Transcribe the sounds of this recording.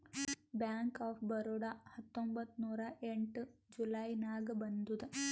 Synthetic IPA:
bjaːŋkaːfbɐɾuɽahɐt̪ːombɐt̪nuːɾɐʔeɳʈɨd͡ʒulɐjnaːɡɐbɐnd̪ud̪ɨ

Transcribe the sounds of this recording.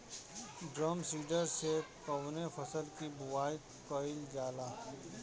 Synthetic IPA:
ɖɾəmsiːɖəɾsekɐʋnefʰɐsəlkibʊwaːj | kɔɪld͡ʒaːlaː

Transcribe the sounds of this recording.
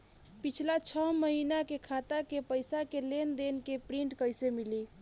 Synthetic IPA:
pit͡ʃʰlat͡ʃʰəməɦinakekʰat̪akepəjsakelend̪enkepɾiɳʈkəjsemili

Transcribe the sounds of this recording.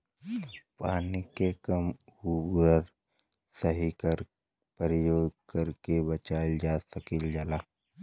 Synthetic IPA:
paːnikekəmubɾəɾ | səɦikəɾ | pəɾɪjoːɡkɐɾkebət͡ʃaːd͡ʒaːsəkɪld͡ʒaːlaː

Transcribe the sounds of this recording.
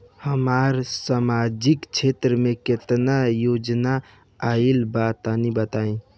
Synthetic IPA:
həmaɾsamad͡ʒikt͡ʃʰet̪ɾəmẽket̪najod͡ʒnaː | ilbat̪anibət̪aĩ

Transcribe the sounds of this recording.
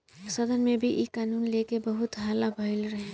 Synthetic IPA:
sɐd̪ənmẽbʱiʔiːkaːnuːnleːkebɐɦʊt̪ɦaːlabʱaɪlɾɐɦẽ

